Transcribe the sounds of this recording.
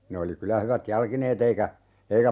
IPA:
ne oli kylæ hyʋæt jɑlkineːt eikæ eikæ

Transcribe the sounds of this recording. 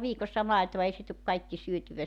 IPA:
ʋiːkosːɑ mɑetoʋɑ ei se tuk kɑikːi syøtyʋæ

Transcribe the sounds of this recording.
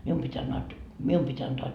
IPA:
mium pitʲ ɑnːɑːt mium pitʲ ɑntoɑ

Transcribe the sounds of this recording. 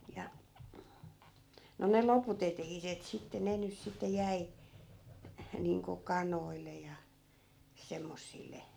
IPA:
jɑ no ne loput etehiset sitːe ne ny sitːe jæi niːŋko kɑnoilːe jɑ semːosːilːe

